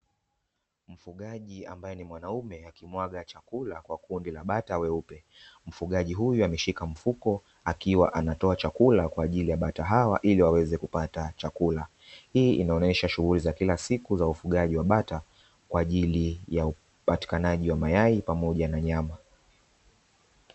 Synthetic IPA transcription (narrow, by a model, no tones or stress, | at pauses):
m̩fuɠaʄiambajɛnimwanaumɛakimwaɠat͡ʃakulakwakundilaɓatawɛupɛ | m̩fuɠaʄiɦujuamɛʃikam̩fukɔ | akiwa̰ʔanatɔat͡ʃakulakwaːʄilijaɓataɦawa̰ʔiliwawɛzɛkupatat͡ʃakula | hiːʔinaɔɲɛʃaʃuɣulizakilasikuzaufuɠaʄiwaɓata | kwaːʄilijau | pati̥kanaʄiwamajaipamɔʄanaɲama